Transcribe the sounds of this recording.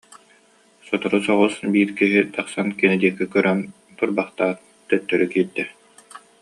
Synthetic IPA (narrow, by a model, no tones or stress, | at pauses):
sɔt̪ɔɾusɔʁɔsbiːɾkiɦit̪aχsankɛnɛd̪iɛkːikœɾœn | t̪uɾbaχt̪aːɾ | t̪œt̪ːœɾykiːɾd̪ɛ